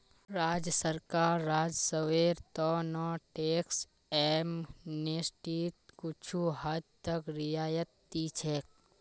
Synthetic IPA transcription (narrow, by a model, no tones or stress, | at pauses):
ɾaːd͡ʒjəsəɾkaːɾːaːd͡ʒsəweːɾt̪ɔnɔːʈeːks | emnesʈiːt̪̚kʊt͡ʃʰuɦad̪t̪əkɾɪjaːjət̪ːiːt͡ʃʰek̚